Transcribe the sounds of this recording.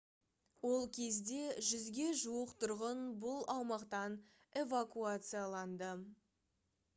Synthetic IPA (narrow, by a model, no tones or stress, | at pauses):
wo̞lˠkʲʰe̞zd̪e̞ʒʏzɡʲe̞ʒuəqt̪ʰʊɾʁənbʊlˠɑwmɑqt̪ɑn | e̞vakuat̪sɨjalˠɑnd̪ə